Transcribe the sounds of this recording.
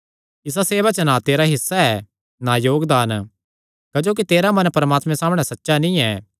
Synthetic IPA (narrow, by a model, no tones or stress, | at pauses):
ɪs̬aseːbak̚t͡ʃənat̪eːɾaɦɪsːaɛ | najoːɡd̪aːn | kɐd͡ʒoːk̬it̪eːɾamɐ̃npɐɾəmaːt̪mɛ̃saːmɽ̃ɛsɐtːʃanĩɛː